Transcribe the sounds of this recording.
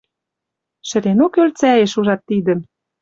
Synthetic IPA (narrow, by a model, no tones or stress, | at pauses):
ʃə̆ɾenokølt͡sæjeʃuʒɑt̪ːid̪ə̆m